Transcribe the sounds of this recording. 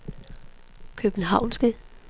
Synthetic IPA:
kʰøb̥n̩ɦɑ̈ʊ̰nsɡ̥ə

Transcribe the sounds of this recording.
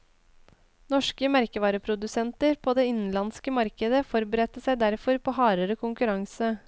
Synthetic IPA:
nɔʂkəmæɾkəʋɑːɾəpʰɾʊd̪ʉsɛnt̪əɾpʰoːd̪eːɪnn̩lɑnskəmɑɾkəd̪əfɔɾbəɾɛt̪əsæɪd̪æɾfɔɾpʰoːhɑːɾəɾəkʰʊŋkʉɾɑŋsə

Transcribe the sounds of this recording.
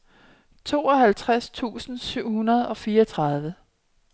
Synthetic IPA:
t͡sʰo̝̰ːɒ̽ɦælt͡sʰʁast͡sʰṵːsn̩syʊ̰hunɐð̞ˠɒ̽fiːɐɒt͡sʰʁɑ̈ðˠʋə

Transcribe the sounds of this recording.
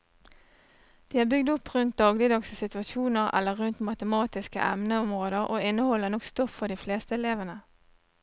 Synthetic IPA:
d̪̥iːæːbʏɡd̪ɔpʁʉnt̪̚d̪ɑːɡlɪd̪ɑɡsəsɪt̪ʉɑʃuːnəʁɛ̰lːəʁʉnt̪mɑt̪əmɑːt̪ɪskə̰ʔɛ̰mnəɔmʁoːd̪əʁʔoːɪnəhɔlːənɔkst̪ɔfːɔd̪iːfleːst̪əɛleːʋənə

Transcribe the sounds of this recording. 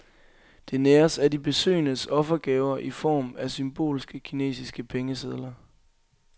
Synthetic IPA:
d̥e̝neːɐsædib̥e̝sø̰ːnəsɒ̽fɐɡ̥ɛːʊɐʔifɒ̰ːmæsymb̥o̝̰ːlsɡ̥əkʰine̝̰ːsisɡ̥əpʰeŋəseð̞ˠlɐ

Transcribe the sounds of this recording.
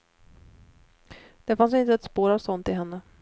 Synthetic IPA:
d̪̥ɛfans̬ɪnt̪̬əɛt̪spoːɾavsɔnt̪ɪɦɛnːə

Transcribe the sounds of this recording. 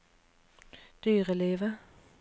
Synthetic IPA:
d̪̥yːʁəleːʋə

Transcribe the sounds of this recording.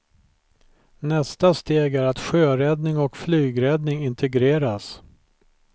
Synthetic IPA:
nɛst̪ast̪eːɡæɾat̪ɧøːɾɛd̪nɪŋɔkflyːɡɾɛd̪nɪŋɪnt̪ʰɛɡɾeːɾas

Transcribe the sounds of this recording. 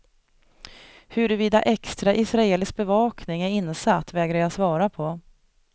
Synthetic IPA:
hɵɾɵviːd̪a̰ʔɛkst̪ɾaʔɪsɾaeːlɪsk̚bɛvɑːknɪŋæɾɪnːsat̪ːvɛːɡɾaɾjasvɑːɾapʰɔ

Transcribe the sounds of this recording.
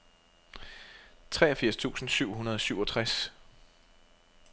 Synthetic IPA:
t͡sʰʁɛːɐɒfiɐ̰st͡sʰṵːsn̩syʊ̰ɦunɐð̞ˠɒ̽syʊɒ̽t͡sʰʁas

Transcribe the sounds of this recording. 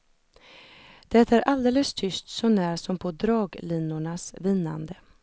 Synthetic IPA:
d̪̥ɛt̪æːɾʔald̪eːləst̪ʰʏst̪sɔnæːɾsɔmpʰɔd̪ɾɑːɡlɪnːʊɳasvɪnːa̰nd̪ə

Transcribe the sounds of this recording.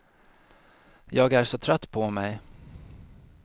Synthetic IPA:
jɑːɡæʂɔt̪ʰɾœt̪ːpʰɔmɛj

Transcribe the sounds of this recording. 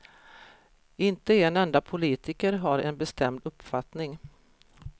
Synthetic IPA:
ɪnt̪əeːnɛnd̪apʰʊliːt̪ɪkəɾɦaɾɛnbɛst̪ɛmd̪ɵpːfat̪nɪŋ

